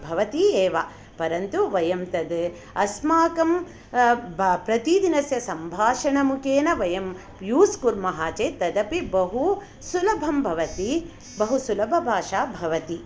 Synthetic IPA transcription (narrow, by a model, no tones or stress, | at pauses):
bʱɐʋɐt̪ieːʋa | pɐɾɐnt̪uʋɐjɐmt̪ɐd̪ | ɐsmaːkɐm | pɾɐt̪id̪inɐsjɐsɐmbʱaːʂɐɳɐmukʰeːnɐʋɐjɐm | juːskuɾmɐɦaːt͡ʃeːt̪ɐd̪ɐpibɐɦu | sulɐbʱɐmbʱɐʋɐt̪i | bɐɦusulɐbʱɐbʱaːʃaːbʱɐʋɐt̪i